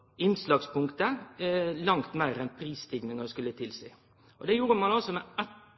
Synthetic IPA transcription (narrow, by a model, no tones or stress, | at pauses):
ɪnslɑːɡspʊŋkt̪ə | lɑŋt̪mæɪɾɛnpʰɾiːst̪ʰɪɡnɪŋəɾskʉlːət̪ʰɪlsḭː | ʔɔd̪ɛjuːɾəmɑnɑlsɔmɛɛt̪